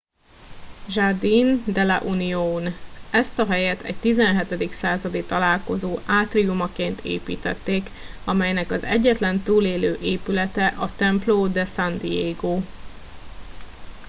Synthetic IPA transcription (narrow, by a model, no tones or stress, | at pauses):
ʒard̪ind̪ɛlɛ̰ʔunijoːnɛst̪ɒɦɛjɛt̪ʰɛ̰ɟ̚t̪izɛnɦɛt̪ɛd̪iksaːzɒd̪it̪ɒlaːlko̞zoːʔaːt̪rijumɒkeːnt̪ʰḛːpḭːt̪ɛ̰t̪ːeːk | ɒmɛjnɛkɒzɛ̰ɟːɛt̪lɛnt̪uːleːløːʔeːpylɛt̪ɛʔɒt̪ɛmploːd̪ɛsand̪ijeːɡoː